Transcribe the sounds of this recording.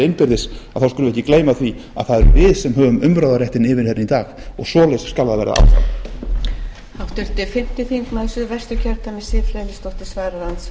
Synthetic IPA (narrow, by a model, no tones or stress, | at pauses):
ejnpɪɾðɪsaðθawskʏnʏɛhcːɪkleːjmaθvi | aðθaðɛɾʏvɪðsɛmɦœːvʏmʏmpɾaːwðaɾrjɛht̪ɪnɪːvɪɾ̥hɛnit̪aːxɔɣsɔːlɛjsskalðaðvɛːɾa̰a̰lθa̰w | awht̪ʏɾ̥t̪ɪfɪm̥t̪ɪfiŋkmaðsʏvɛr̥st̪ʏcʰɛɾt̪amɛsɪfleːlɪst̪ɔht̪ɪsvaːɾalant̪s